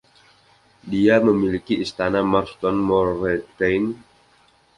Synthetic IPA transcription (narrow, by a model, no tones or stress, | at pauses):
diaməmilikiist̪anamarst̪ɔnmɔrɛt̪ejn